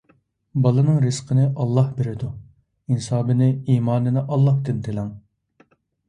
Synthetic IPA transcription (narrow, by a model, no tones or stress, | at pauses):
bɑlˠɨnɨŋɾɨsqʰənɨʔɑlˠːɑhbeɾɪd̪u | insɑːbɪnɪiːmɑːnɨnɪʔɑlˠːɑht̪ɪnt̪ʰɪlɛŋ